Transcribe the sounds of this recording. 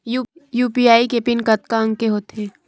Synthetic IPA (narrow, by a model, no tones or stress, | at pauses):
juːpiaːikepɪnkɐt̪kaə̃ŋkeɦoːt̪eː